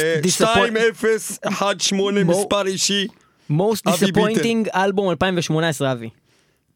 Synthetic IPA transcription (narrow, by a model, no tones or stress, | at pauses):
d̪isaaojmefeseħad̪ʃmonespaɾiʃi | mowst̪disapojnt̪ĩŋɡalbumalpaĩmveʃmonaesʁeavi